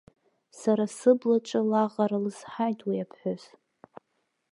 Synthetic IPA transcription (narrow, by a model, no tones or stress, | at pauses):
saɾasɨblaʈ͡ʂʼalaʁaɾalɨsħajtʰʼwiapʰħʷoz